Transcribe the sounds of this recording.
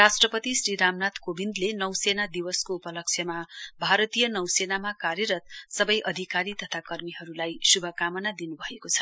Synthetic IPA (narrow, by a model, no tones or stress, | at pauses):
rasʈrʌpʌt̪isriɾamnat̪kobind̪lenʌwsenad̪iwʌskoupʌlʌk̚t͡sʰjʌmabʱaɾʌt̪ijʌnʌwsenamakarjʌɾʌt̪̚sʌbʌjʔʌd̪ʱikaɾit̪ʌt̪ʰakʌrmiɦʌɾulajsubʱʌkamʌnad̪inubʱʌekot͡sʰʌ̥